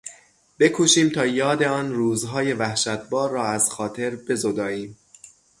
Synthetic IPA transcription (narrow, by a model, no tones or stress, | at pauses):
b̥e̞kʰuːʃiːmt̪ʰɒːjɒːd̪e̞ɒːnruːzɦɒːje̞væhʃæt̪̚ʰbɒːɾːɒːæz̥xɒːt̪ʰe̞ɾbe̞zod̪ɒːiːm